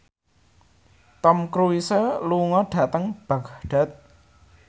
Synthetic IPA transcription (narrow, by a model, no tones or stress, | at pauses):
t̪ɔmkɾuisəluŋɔɖ̥ä̤t̪əŋb̥a̤ɡ̥aɖ̥a̤t̪̚